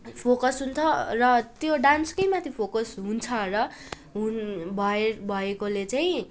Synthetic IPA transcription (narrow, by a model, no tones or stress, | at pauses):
pʰokʌsɦunt͡sʰʌrʌt̪joɖanskʌjmat̪ʰipʰokʌsɦunt͡sʰʌrʌ | ɦunbʱʌebʱʌekolet͡saĩ